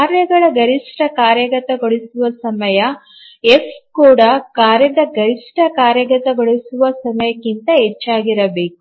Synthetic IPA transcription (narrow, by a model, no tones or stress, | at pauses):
kaːɾjɐɡɐɭɐɡɐɾiʂʈɐkaːɾjɐɡɐt̪ɐɡoɭisuʋɐsɐmɐjɐ | eskuːɽɐkaːɾjɐd̪ɐɡɐɾiʂʈɐkaːɾjɐɡɐt̪ɐɡoɭisuʋɐsɐmɐjɐkːint̪ɐɦet͡ʃːaːɡiɾɐbe̞ːku̥